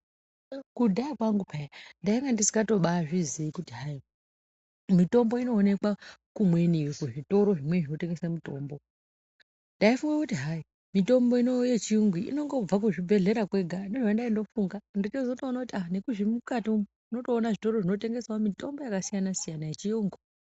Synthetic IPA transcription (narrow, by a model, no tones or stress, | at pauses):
kudʱaakwaŋɡupʰajandaiŋɡandisi̥ŋɡato̞ɓaʐiziːkutiɦai | mito̞mbo̞ino̞ːne̞kwakumwe̞niwekeʐito̞ɾo̞ʐimwe̞ʐino̞te̞ŋɡe̞samito̞ːmbo̞ | ndaifuŋɡakutiɦai | mito̞mbo̞ino̞jet͡ʃiuŋɡwiḭno̞ŋɡo̞b͡vak̬uʐibʱe̞ɮe̞ɾakwe̞ɡʱandeʐandaindo̞fuŋɡanditezoto̞ːnakutiane̞kuʐimukato | uno̞to̞ːnaʐito̞ɾo̞ʐino̞te̞ŋɡe̞saomito̞mbo̞jakasijanasijanajet͡ʃiuŋɡi